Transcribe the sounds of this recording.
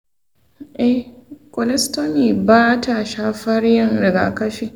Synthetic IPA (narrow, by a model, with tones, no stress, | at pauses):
ʔɛ˦hkʼɔ˨lɛ˦sto˦niː˨baː˦tʰa˨ʃaː˦ɸɐ˦rjɪ˦ŋɾɪ˨ɡa̰ː˨kɐ˦ʃiː˦˨